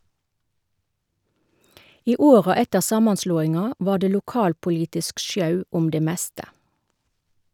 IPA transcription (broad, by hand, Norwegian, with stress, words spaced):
ˈiː ˈoːʁɑ ˈɛtəʁ ˈsɑːmɑnˌsloːɪŋɑ ˈʋɑː ˈdeː lʊˈkɑːlpʊˌliːtɪsk ˈʃjɑʉ ˈʊm ˈdeː ˈmɛstə